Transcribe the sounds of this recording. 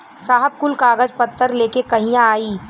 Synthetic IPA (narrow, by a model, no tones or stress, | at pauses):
saːɦəb̚kʊlkaːɡəd͡ʒpɐt̪ʰːəɾleːkekɐɦĩjãaːiː